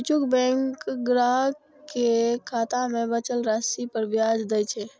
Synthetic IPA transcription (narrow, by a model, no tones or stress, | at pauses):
t͡ʃukbɛ̃ŋkɡɾa | kekʰat̪amebət͡ʃəlɾasipəɾbjad͡ʒd̪ɛjt͡ʃʰɛ